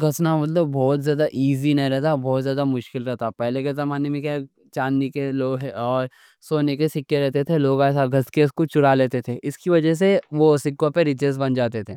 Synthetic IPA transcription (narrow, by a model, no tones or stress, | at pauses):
ɡʱɐsnamɐt̪̬ləbːɔːt̪zjaːd̪aʔiːzinɐɦĩɾɛɦt̪abɔːt̪zjaːd̪amʊʃkɪlɾɛɦt̪apɛɦlekezɐmaːnemẽka | t͡ʃaːnːikeloːɡɦɛɔːɾ | soːnekesɪkːeɾɛɦt̪et̪ʰeloːɡasaɡʱɐskeskot͡ʃʊɽaleːt̪et̪ʰeʔɪskiʋɐd͡ʒəs̬eʋosɪkːõpeɾɪt͡ʃezbɐnd͡ʒaːt̪et̪ʰeː